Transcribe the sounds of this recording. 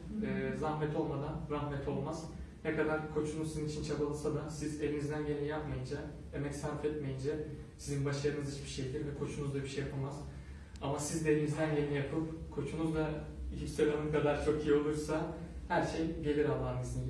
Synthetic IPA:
ɛːzahmɛt̪ʰo̞lˠmad̪anɾahmɛt̪ʰo̞lˠmaz̥ | nɛkʰad̪aɾkʰo̞t͡ʃʰunuzizinit͡ʃʰint͡ʃʰabɯlˠɯsad̪asize̞vʲinizd̪ænje̞nijapmajɯnd͡ʒa | emɛcsanfɛt̪me̞jind͡ʒa | sizinbaʃaɾɯnɯzit͡ʃbiʃejd̪ʲiɾvɛkʰo̞t͡ʃʰunuzd̪ˠabiʃejapʰɯlˠmaz̥ | amasizd̪ɛvʲinizd̪ænje̞nijapʰɯpkʰo̞t͡ʃʰunuzd̪ˠa | icʰipseɾʲanɯmkad̪aɾt͡ʃʰo̞kijio̞lˠuɾsahæɾʃe̞jɟe̞lʲiɾalˠːaːɯnizin

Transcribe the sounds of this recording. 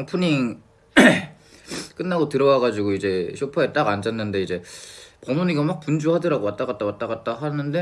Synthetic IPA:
aŋpʰuɲi | k͈ɯnːaɡotɯɾʌwaɡad͡ʑiɡoid͡ʑe̞ɕʰopʰaet͈aɡand͡ʑanːɯnde̞id͡ʑe̞pʌmuɲiɡamak̚pund͡ʑuɦadɯɾaɡowat͈aɡat͈̚awat͈aɡat̚t͈aɦanɯnde̞

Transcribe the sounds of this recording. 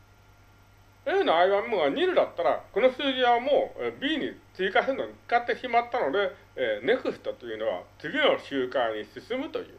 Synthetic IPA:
eːno̞aiβãmːɯɡaɲ̟iɾɯ̟d̪at̪ːaɾako̞no̞sɨːʑĩamoːbʲiːɲ̟it͡sɨikasenoɲi̥kat̪ːe̞ɕimat̪ːano̞d̪e̞ | ne̞kɯ̟st̪ot̪o̞jɯ̟no̞β̞a̰t͡sɨɡʲino̞ɕɨːkãɲ̟isɨsɨmɯ̟t̪o̞̰jɯ̟̰ː

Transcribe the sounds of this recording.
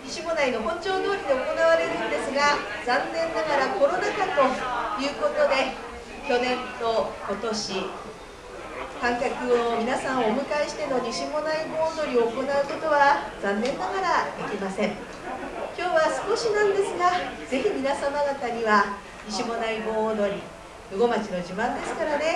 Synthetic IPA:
ɲiɕimo̞naino̞ɦõ̞ɲt͡ɕo̞ːd̪o̞ːɾʲid̪e̞oko̞naβaɾe̞ɾɯ̟d̪e̞sɨɡad͡zãnːẽ̞nːaɡaɾako̞ɾo̞nakat̪o̞jɯ̟ːko̞t̪o̞d̪e̞ | kʲo̞nẽ̞nt̪o̞ko̞t̪o̞ɕi | kãŋkʲakɯ̟o̞mʲinasãɰ̃oomɯ̟kaiɕi̥t̪e̞no̞ɲiɕimo̞naibo̞ːnd̪o̞ɾʲio̞ːko̞naɯ̟ko̞t̪o̞βazãnːẽ̞nːaɡaɾad̪e̞kʲimasẽ̞ɴ | kʲo̞ːβasɨ̥ko̞ɕinãnd̪e̞sɨɡaz̥e̞çimʲinasamaɡat̪aɲ̟iβa | ɲiɕimo̞naibo̞ːd̪o̞ɾʲi | jɯ̟ɡo̞mat͡ɕino̞ʑibãnd̪e̞sɨ̥kaɾane̞

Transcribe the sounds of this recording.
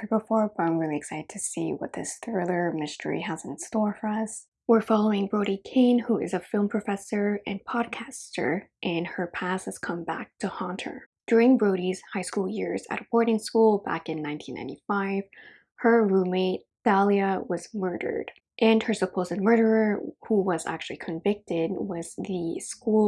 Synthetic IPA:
əbəfɔɹbʌãɪ̃mɹɪlˠiɨksaɪɾɨd̚tʰɨsḭwʌ̰t̪̚ðɪ̰sθɹɪlˠə˞mɪstʰə̰˞ḭhæzɨ̃nstɔɹfə˞ʌs | wɪɹfɑlˠoʊɪ̃ŋbɹoʊɾikʰẽɪ̃nhuɨ̰zɨfɪlˠmpʰɹ̥ɨfɛsə˞ɨ̃npʰɑd̚kʰæstə̰˞ʔɨ̃nə˞pʰæshɨz̥kʰʌ̃mbæ̰k̚tʰɨhɑ̃ntʰə̰˞d̥ʊɹɪ̃ŋbɹoʊɾiz̥haɪskulˠjɪɹzɨ̰ɾəbɔɹɾɪ̃ŋskulˠbæ̰kɨ̃nːãɪ̃ntʰĩnã̰ɪ̃tifaɪv̥ | hə˞ɹumeɪt̚θælˠiəwʌzmɜ˞ɾə̰˞d̥ | ʔɨ̃nə˞səpʰoʊzɨd̚mɜ˞ɾə˞ə˞huwʌzæ̰k̚t͡ʃʉl̩ˠikʰɨ̃ɱvɪk̚tɪd̚wʌz̥ðɨsku

